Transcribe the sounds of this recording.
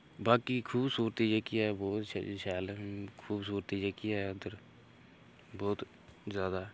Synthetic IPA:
baːkikʰuːbsuːɾt̪id͡ʒeːkiabɔːt̪ʃaːlkʰuːbsuːɾt̪id͡ʒeːkiaɛʊd̪əɾ | bɔːt̪ | zjaːd̪a

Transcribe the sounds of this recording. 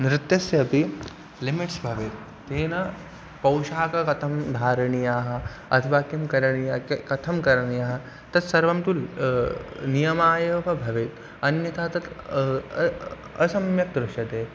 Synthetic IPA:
nɾɪt̪jɐsjɐːpi | limɪʈsbʱɐʋeːt̪ːeːnɐ | pɐwʃaːkɐkɐt̪ʰɐmd̪ʱaːɾɐɳijaːɦɐ̆ | ɐ̰t̪ʰɐʋaːkjimkɐɾɐɳijakkɐt̪ʰɐmkɐɾɐɳijaːɦɐ̆ | t̪ɐt̪sɐɾʋɐmt̪u | nijɐmaːjɐːʋɐbʱɐʋeːt̪ | ɐnjɐt̪ʰaːt̪ɐt̪ | ɐsɐmjɐk̚d̪ɾʊʃjɐt̪eː

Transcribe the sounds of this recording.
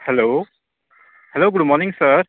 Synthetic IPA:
helo | heloɡudmɔɾniŋsɐɾ

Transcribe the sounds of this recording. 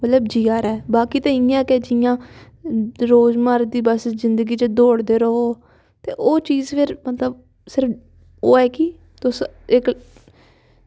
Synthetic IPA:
mət̪ləbd͡ʒiːaːɾɛːbaːkiːt̪ẽːɪjãɛked͡ʒɪjãː | ɾoːzmaɾd̪iːbəszɪnd̪əɡiːt͡ʃəd̪oːɽd̪eːɾoːoː | t̪eːʔoːt͡ʃiːzpʰɪɾmət̪ləb | sɪɾəp | oːɛːkiː | t̪ʊsɪk

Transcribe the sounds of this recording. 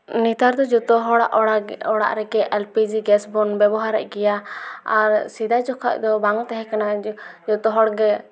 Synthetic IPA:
nit̪aɾd̪ɔd͡ʒɔt̪ɔɦɔɽaʔɔɽa̰ʔɾɛɡɛʔɛlpid͡ʒiɡɛsbɔnbɛbɔɦaɾɛ̰ʔ̚ɡɛjaaɾsid̪ajd͡ʒɔkʰa̰ʔd̪ɔbaŋt̪ɛɦɛ̃kanad͡ʒɔt̪ɔɦɔɽɡɛ

